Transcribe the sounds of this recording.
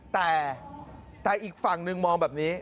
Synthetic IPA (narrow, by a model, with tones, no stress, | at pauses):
t̪ɛː˨˩ | t̪ɛː˨˩ʔiː˨˩k̚fa˨˩ŋnɯ˧ŋmɔː˧ŋbɛː˨˩p̚niː˦˥